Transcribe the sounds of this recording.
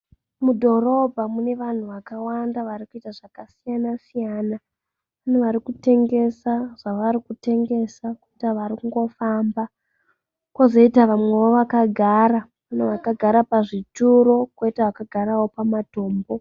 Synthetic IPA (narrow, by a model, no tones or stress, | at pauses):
mudʱo̞ro̞bʱamune̞ʋan̤uʋakawandaʋaɾikuitaʐakasijanasijaːna | ʋan̤uʋaɾikute̞ŋɡe̞saʐ̥aʋaɾikute̞ŋɡe̞sakuitaʋaɾikuŋɡo̞famba | kwozo̞itaʋamwe̞ʋoʋakaɡʱaɾa | ʋaneʋakaɡʱaɾapaʐituɾo̞kwoitaʋakaɡʱaɾawo̞pamato̞ːmbo̞